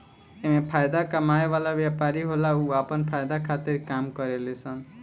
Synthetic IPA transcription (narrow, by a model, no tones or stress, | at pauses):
emepʰajd̪akamajbalabjapaɾiɦolauapʌnpʰajd̪akʰat̪iɾkamkʌɾelesʰʌn